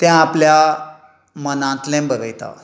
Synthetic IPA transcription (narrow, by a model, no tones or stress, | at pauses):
t̪jãːplja | mənãt̪lɛ̃mbəɾəjt̪a̰